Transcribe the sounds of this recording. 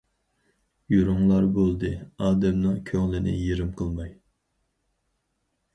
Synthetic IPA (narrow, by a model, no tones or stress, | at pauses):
joɾʊŋlˠɑɾbolˠd̪ɨɑːd̪ɛmnɨŋkʲʰøŋlɪnɪ̰jeɾɪmqʰəlˠmɑj